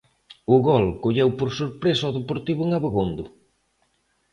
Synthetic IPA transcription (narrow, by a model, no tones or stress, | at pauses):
ʊɣɔlkoʎewpoɾsoɾpɾesɔðepoɾt̪iβʊeŋaβeɣond̪ʊ